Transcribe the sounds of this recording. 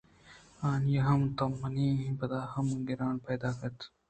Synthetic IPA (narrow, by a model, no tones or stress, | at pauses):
aːnjɐɦɐmt̪ɐmːɐnĩːɦĩpɐd̪aːhɐmɡɪɾaːnpɛːd̪aːkɐɾt̪